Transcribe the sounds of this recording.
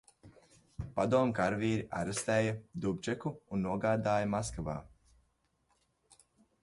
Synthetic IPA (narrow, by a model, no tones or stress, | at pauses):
pad̪uɔmkaɾviːɾiʔa̰ɾast̪ɛːjɐd̪ubʲd͡ʒɛkuːnːuɔɡaːd̪aːjɐmaskava̰ː